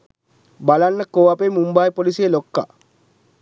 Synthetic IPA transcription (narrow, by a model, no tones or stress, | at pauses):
balanːəkowapemumbajpolisijelokːa̰